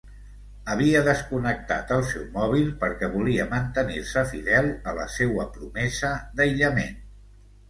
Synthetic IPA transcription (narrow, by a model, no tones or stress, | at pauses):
əβ̞iəðəskunək̚t̪a̰t̪əlˠsɛwmɔβ̞ilˠpəɾkɛβuliəmənt̪əniɾsəfiðɛlˠələ̰sewəpɾumɛzəd̪əjʎəmḛn